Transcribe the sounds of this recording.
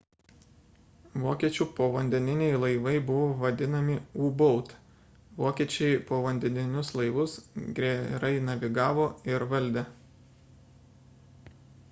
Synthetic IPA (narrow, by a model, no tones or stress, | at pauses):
ʋoːkʲiɛt͡ʃʲuːpoːʋɐnʲd̪ʲɛnʲɪnʲɛɪlˠɐɪʋɐɪbʊʋoːʋɐd̪ʲɪnɐmʲɪuːbɔʊt̪ | ʋoːkʲiɛt͡ʃʲɛɪpoːʋɐnʲd̪ʲɛnʲɪnʲʊslˠɐɪʋʊsɡɾʲeɾɐɪnɐʋʲɪɡɑːʋoːɪɾʋɐlʲˑd̪ʲe